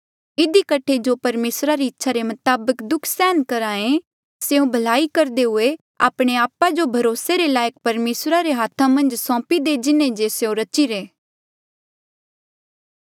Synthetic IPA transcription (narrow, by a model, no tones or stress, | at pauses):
ɪd̪ikɐʈʰed͡ʒopɐɾmeːsɾaɾiɪtːʃʰaɾemɐt̪aːbəkd̪ʊkʰsɛːnkɐɾaːẽ | seũbʱɐlaːikɐɾd̪eɦʊe | a̰ːpɽ̃eaːpad͡ʒobʱɐɾoːseɾelaːjək̚pɐɾmeːsɾaɾeɦaːt̪ʰãmɐ̃nd͡ʒsɔ̃ːpid̪ed͡ʒɪnẽd͡ʒeseõɾɐt͡ʃiɾeː